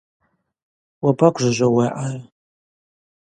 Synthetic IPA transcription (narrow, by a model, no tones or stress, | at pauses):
wabakʷʰʼʒʷɨʒʷaweʔar